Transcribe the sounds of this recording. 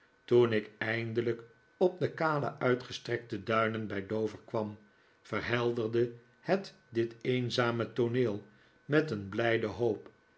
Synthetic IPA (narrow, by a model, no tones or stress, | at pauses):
tunɪkɛjndələk | ɔb̚dəkaːlə̰ʔœɥtχəstrɛk̚tədœɥnənbɛjdowvəɹkʋɑm | fərɦɛlˠdərdə | hət | dɪtejnzaːmətoneːlˠ | mɛtənblɛjdəɦoːp